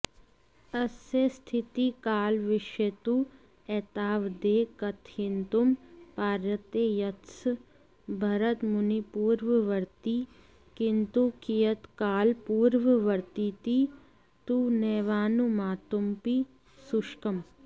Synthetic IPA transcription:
ɐsest̪ʰit̪ikaːlʋɪʃet̪u | ɛːt̪aːʋd̪eːkɐt̪ʰint̪umpaːɾət̪ejɐt̪s | bʱɐɾət̪mʊnipuːɾʋəʋɐɾt̪i | kɪnt̪ukijət̪kaːlpuːɾʋəʋɐɾt̪it̪i | t̪unɛːʋaːnumaːt̪umpi | suʃkɐm

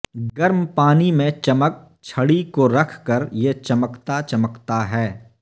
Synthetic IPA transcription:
ɡəɾmpaːnimẽt͡ʃɐmək̚ | t͡ʃʰɐɽikoɾɐkʰkəɾjet͡ʃɐməkt̪at͡ʃɐməkt̪aɦɛː

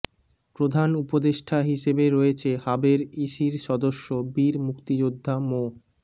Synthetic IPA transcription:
pɾod̪ʱanupod̪eʃʈʰaɦiʃebeɾɔet͡ɕʰehabeɾiʃiɾʃɔd̪oʃːobiɾmukt̪id͡ʑod̪ʱːamo

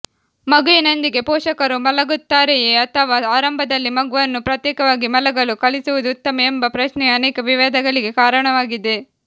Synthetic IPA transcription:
mɐɡuinɐnd̪iɡe̞pɔːʂɐkɐɾumɐlɐɡut̪ːaːɾejeːɐt̪ʰɐʋaːaːɾɐmbʱɐd̪ɐlːimɐɡuʋɐnːupɾɐt̪jɛːkɐʋaːɡimɐlɐɡɐlukɐɭisuʋud̪uːt̪ːɐmɐembɐpɾɐʃnɛɐnɛːkɐʋiʋɛːd̪ɐɡɐɭiɡe̞kaːɾɐɳɐʋaːɡid̪e

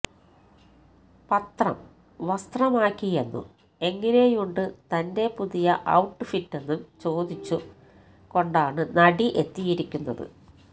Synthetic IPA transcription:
pɐt̪rɐ̰m | ʋɐst̪rɐmaːkʲːije̞nːṵ | e̞ŋːine̞juɳɖɨt̪ɐnde̞puðijɐʔɐwʈːɨfitːe̞nːumt͡ɕo̞ːd̪it͡ɕːu | ko̞ɳɖaːɳɨnɐɽiʔe̞t̪ːijiɾikʲːunːɐðɨ̰

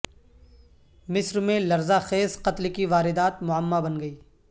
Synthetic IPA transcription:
mɪsɾmẽlɐɾzaxeːzqɐt̪lkiʋaːɾɪd̪aːt̪mʊəmːabɐnɡɐiː

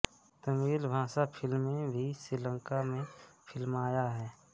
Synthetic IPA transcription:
t̪əmiːlbʱãːsapʰɪlmːẽbʱisɾiːlə̃ŋkamẽpʰɪlmaːjaɦɛː

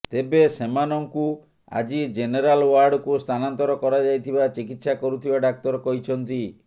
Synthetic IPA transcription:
t̪ebesemanɔŋku | a̰d͡ʒid͡ʒeneɾalwaɾɖɔkust̪ʰanant̪ɔɾɔkɔɾad͡ʒajt̪ʰibat͡ʃikit̪sakɔɾut̪ʰibaɖak̚t̪ɔɾɔkɔɦit͡ʃʰɔnt̪i

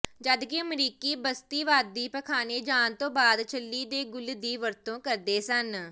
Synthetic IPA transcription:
d͡ʒəd̪kiəmɾiːkiːbəst̪iːʋaːd̪̚ːiːpəkʰaːneːd͡ʒaːnt̪õːbaːd̪t͡ʃʰəlːiːd̪eːɡʊld̪iːʋəɾt̪õːkəɾd̪eːsən

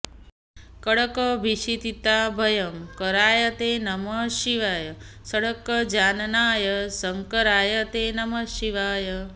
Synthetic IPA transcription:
kəɽəkəbʱiʃit̪it̪abʱəjəmkəɾaːjət̪enɐməʃiʋaːjə | səɽəkːəd͡ʒannaːjəsəŋkəɾaːjət̪enɐməʃiʋaːjə

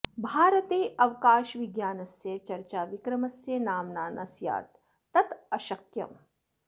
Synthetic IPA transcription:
bʱaːɾɐt̪eːʔɐʋkaːʃʋiɡjaːnɐsjet͡ʃɐɾt͡ʃaːʋikɾɐmɐsjenaːmnaːnʔɐ̰sja̰ːt̪̚ː | ɐt̪ɐʃɐk̚t̪jɐ̰m

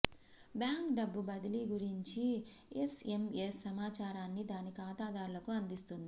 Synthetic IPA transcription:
bjaːŋkɖɐbːubɐd̪iliɡuɾiɲt͡ʃi | esemesːɐmaːt͡ʃaːɾaːnːid̪aːnikaːt̪aːd̪aːɾulɐkuɐnd̪ist̪und̪i

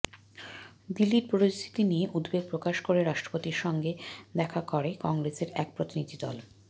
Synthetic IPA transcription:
d̪ilːiʈpoɾid͡ʑt̪ʰi̥t̪inieʔud̪beɡ̚pɾokaʃkoɾeɾaʃʈɾo̥pot̪iɾʃɔŋɡed̪ɛkʰakoɾekɔŋɾeseɾɛk̚pɾot̪inid̪ʱid̪ɔ̰l

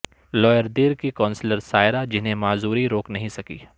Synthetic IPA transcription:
lɔːjəɾd̪eːɾkikɔ̃ːnsləɾsaːɪɾad͡ʒɪnɦẽmaːzuːɾiɾoːknɐɦĩsɐkḭː

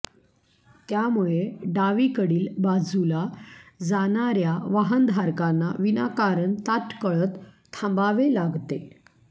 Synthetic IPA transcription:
t̪jamuɭeɖaʋikəɽiːlbad͡zulad͡zanaɾjaʋaɦənd̪ʱaɾkanːaʋinakaɾəɳt̪aʈkəɭət̪ʰː | ãmbaʋelaɡt̪e

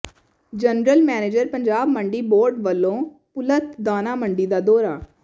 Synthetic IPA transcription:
d͡ʒənɾəlmɛːneːd͡ʒəɾpəɲd͡ʒaːbməɳɖiːboːɾɖʋəlːõː | pʊlət̪d̪aːnaːməɳɖiːd̪aːd̪ɔːɾaː

